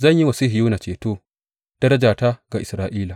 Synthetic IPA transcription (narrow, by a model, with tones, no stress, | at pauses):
zɐ˦˨ɲji˦wɐ˨si˦hɪ˨juː˦na˨t͡ʃeː˨toː˦ | d̥ɐ˦ɾɐ˦d͡ʒaː˨ta˦ɡa˨ʔɪ˨sɾaː˦ʔiː˦la˨